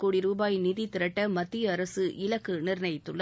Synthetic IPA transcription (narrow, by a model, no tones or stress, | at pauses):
kːuːɽiɾuːbaːjniðit̪ːɪɾɐʈːɐmɐt̪ːɪjɐːɾɐsɯʔɪlɐkːɯnɪɾnɐjɪt̪ːɯɭːɐ